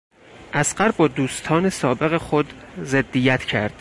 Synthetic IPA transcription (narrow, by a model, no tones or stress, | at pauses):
ʔæsɢæɾbɒːd̪uːst̪ʰɒːnesɒːbe̞ɣexod̪zed̪ːijæt̪ʰcʰæ̰ɾd̪̥